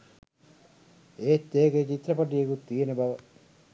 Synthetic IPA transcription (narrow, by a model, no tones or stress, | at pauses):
eːt̪ːeːket͡ɕit̪ːrɐpaʈ̬ijekut̪ːijenəbaʋə